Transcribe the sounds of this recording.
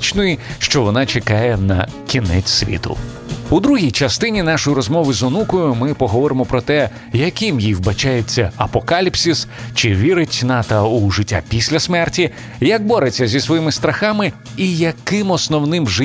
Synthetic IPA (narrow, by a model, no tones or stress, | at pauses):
t͡ʃnɔjiʃt͡ʃɔʋɔnɑt͡ʃekɑjɛnɐkʲinɛ̰t͡sʲsʲʋʲḭt̪ʊ̰ | ud̪ɾuɦʲijt͡ʃɐst̪ɪnʲin̪ɑʃɔjiɾɔzmɔʋɪzɔnukɔjʊmɪpɔɦɔʋɔɾɪmɔpɾɔt̪ɛ | jɐkɪmjiwbɐt͡ʃajet͡sʲːɐɐpɔkalʲipsʲist͡ʃɪʋʲiɾɪtʲnɑt̪ɐuʒɪtʲːa̰pʲisʲlʲɐsmɛrtʲi | jɐk̚bɔɾet͡sʲːɐzʲisʋɔjimɪst̪ɾɐxɑmɪ | ijɐkɪmɔsnɔwnɪmʒɪ